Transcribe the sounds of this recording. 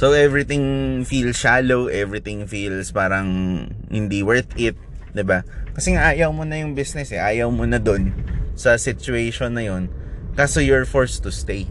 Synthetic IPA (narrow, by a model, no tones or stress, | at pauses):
sowʔɛvɹɪt̪ɪ̃ŋfiːlsʃaːlowʔɛvɹɪt̪ɪŋfilspaːɾɐŋhɪ̰nd̪iwɛɹt̪ɪt̪̚ | d̪ɪbakɐsɛŋaʔaːjɐwmonɐjʊŋbisnɛsɛʔaːjɐwmonɐd̪o̞nsɐsɪt͡ʃʊejʃonːɐjo̞nkaːsojʊɹfoɹst̪ʊst̪ej